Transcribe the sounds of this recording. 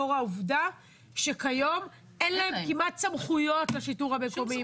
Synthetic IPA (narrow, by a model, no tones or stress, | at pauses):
oʁauvda | ʃekajo̞m | enlaemkimat̚t͡samχujo̞tlaʃituʁhame̞ko̞mi